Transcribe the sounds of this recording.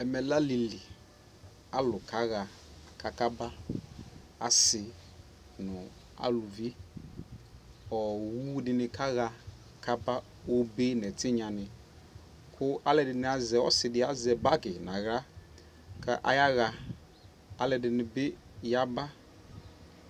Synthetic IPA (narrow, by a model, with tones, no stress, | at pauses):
ɛ˨mɛ˨la˦li˨lɪ˨ | a˨lʊ˨kʰa˦ɣa˨ | ka˨ka˦ba˦ | a˨sɪ˨ | nʊ̃˨ | a̰˦lʊ˨vi˦ | ɔ˨wu˦dɪ˨nɪ˦kʰa˦ɣa˨ | kʰa˦ba˦ | o˦be˦nɛ˨tʰɪ˦ɲã˨nɪ̃˨ | kʰʊ˦a˦lɛ˨dɪ˨nɪ̃˦a˨zɛ˨ɔ̰˦sɪ˨dɪ˦a˦zɛ˨ba˦kɪ˨nã˨ɣɾa˦ | kʰa̰˦ʔa̰˨˦ja˦ɣa˨ | a˦lɛ˨dɪ˨nɪ˨be˦ | ja˦ba˦